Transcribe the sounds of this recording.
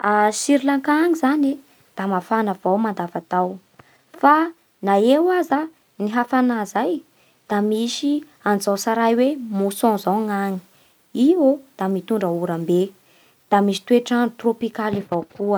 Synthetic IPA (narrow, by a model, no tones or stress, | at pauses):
asiɾlaŋkaŋizane | d̪̥amafanavawmand̪avat̪aw | fa | naewaza | niɦafanazaj | d̪̥amisi | anzawsaɾajwemusɔ̃zawŋaŋi̥ | iod̪̥amit̪uɳɖ͡ʐəuɾambe | d̪̥amisi̥t̪weʈ͡ʂant̪ropikalivawkuə